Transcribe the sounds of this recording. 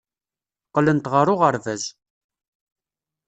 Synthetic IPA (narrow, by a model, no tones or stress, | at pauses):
qːlənt̪ʁəɾˤʊʁəɾvæz